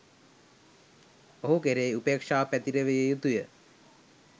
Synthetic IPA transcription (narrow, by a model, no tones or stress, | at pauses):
oɦukeɾeːupeːkʂaːpæt̪iɾeʋejejut̪ujə